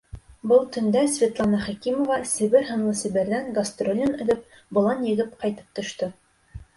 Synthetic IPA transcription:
bɤlˠt̪ɵ̆nd̪æsvʲet̪lˠɑnɑχækimŏvɑsɘ̆βɘɾɦɤ̆nlˠɤsɘ̆βɘ̆ɾðæŋɡɐst̪rolʲinɵ̆ðɵp̚ | bŏlˠɑnjɘ̆ɣɘpqɑjt̪ɤ̥p̚t̪ŏʃt̪ɤ

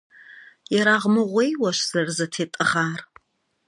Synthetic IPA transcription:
jɛɾaːʁmɨʁʷejwɐʃz̥ɐrzɐtʰeːtʼɨʁaːr

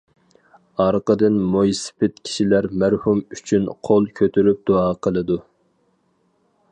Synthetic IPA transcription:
ɑɾqəd̪ɨnmujspʰɪt̪kʲʰi̥ʃilæɾmæɾhumyt͡ʃʰynqʰolˠkʲʰøt̪ʰyɾyp̚d̪oɑːqʰəlˠɨd̪u

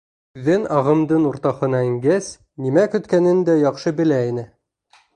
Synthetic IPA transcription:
ʉðːɘnɑʁɤ̆md̪ɤnuɾt̪ɑhɤ̆nɑɘ̆ŋɡæs | nimækɵ̆t̪kænɘnd̪æjɑqʃɤbɘ̆læinɘ

